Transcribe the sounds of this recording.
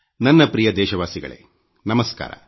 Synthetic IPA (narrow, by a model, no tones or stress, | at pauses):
nɐnːɐpɾijɐd̪ɛːʃɐʋaːsiɡɐ̰ɭḛː | nɐmɐska̰ːɾɐ̰